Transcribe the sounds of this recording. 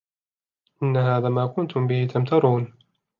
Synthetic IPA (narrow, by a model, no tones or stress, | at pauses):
ʔɪnːaɦaːðaːmaːkʊnt̪ʊmbɪhɪt̪amt̪ɑɾˤuːn